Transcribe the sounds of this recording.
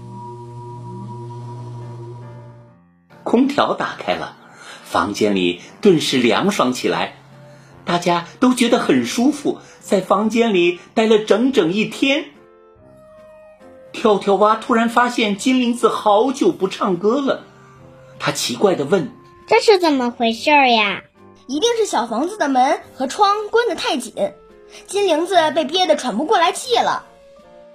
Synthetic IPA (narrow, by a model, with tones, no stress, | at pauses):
kʰʊ˥ŋt̪ʰjɑ̰˧˥ʊt̪a̰˨˩kʰa˥ɪlə̰˨ | fɑ̰˧˥ŋt͡ɕjɛ̰˥nlḭ˨˩t̪wə˥˧nʂɻ̩˥˩ljɑ̰˧˥ŋʂwɑ˧˥ŋt͡ɕʰi˨˩la̰˧˥ɪ | t̪a˥˩t͡ɕja˥t̪o˥ʊt͡ɕɥɛ˧˥d̪ə˧xə˨˩nʂu˥fu˨˩ | t͡sa˥˩ɪfɑ˧˥ŋt͡ɕjɛ˥nli˨˩t̪a˥˩ɪlə˨ʈ͡ʂɤ˧˥ŋʈ͡ʂɤ˨˩ŋi˥˩t̪ʰjɛ˥n | t̪ʰjɑ˧˥ʊt̪ʰjɑ˧˥ʊwa˥t̪ʰu˥ɻa˧˥nfa˥ɕjɛ˥˩nt͡ɕi˥nli˧˥ŋd͡zɹ̩˧˩xɑ˧˥ʊt͡ɕjo˨˩ʊpu˧˥ʈ͡ʂʰɑ˥˩ŋkɤ˥lə˨ | t̪ʰa˥t͡ɕʰi˧˥kwa˥˩ɪd̪ə˩wə˥˩n | ʈ͡ʂɤ˥˧ʂɻ̩˥˩t͡sə˨˩nmə˦xwe˧˥ɪʂo˥˩ja˩ | i˧˥t̪i˥˧ŋʂɻ̩˥˩ɕjɑ˨˩ʊfɑ˧˥ŋd͡zɹ̩˨˩d̪ə˩mə˧˥nxɤ˧˥ʈ͡ʂʰwɑ˥ŋkwa˥nd̪ə˨t̪ʰa˥˩ɪt͡ɕḭ˨˩˦n | t͡ɕi˥nli˧˥ŋd͡zɹ̩˧p̬e˥˧ɪpjɛ˥˩d̪ə˩ʈ͡ʂʰwa˨˩npu˧˥kwɔ˥˩la˧˥ɪt͡ɕi˥˩lə̰˩